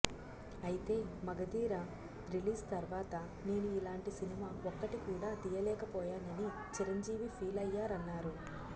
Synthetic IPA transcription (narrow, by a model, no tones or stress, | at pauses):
ɐjit̪e̞ːmɐɡɐd̪iːɾɐ | ɾiliːst̪ɐɾʋaːt̪ɐ | ne̞ːnuilaːɳʈisinimaːoɔkːɐʈikuːɽaːd̪ijɐlɛːkɐpɔːjaːnɐni | t͡ʃiɾɐɲd͡ʒiːʋipʰiːlɐjːaːɾɐnːaːɾu